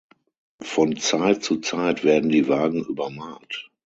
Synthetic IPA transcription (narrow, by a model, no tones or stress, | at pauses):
fɔnt͡saɪtt͡sut͡saɪtv̥ɛːɐdn̩diːvaːɡŋ̩ʔyːbɐmaːt